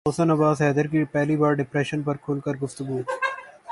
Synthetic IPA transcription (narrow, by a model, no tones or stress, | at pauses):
oːsənɐbaːzɦɛːd̪əɾkipɛɦlibaːɾɖɪpɾɛːʃənpɐɾkʰʊːlkɐɾɡʊft̪ʊɡuː